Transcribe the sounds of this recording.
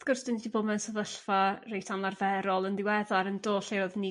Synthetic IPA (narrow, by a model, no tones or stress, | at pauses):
θɡ̥ʊrsd̥ɪnidibɔmɛnsəðəɬfarejtʰanlˠarvɛɾɔlˠənðɪwɛðaɾəndoːɬeɾɔðni